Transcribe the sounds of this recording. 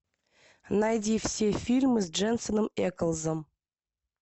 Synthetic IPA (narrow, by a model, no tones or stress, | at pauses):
najd̪ʲifsʲefʲilʲmɨsd͡ʒensonəmekəlˠzəm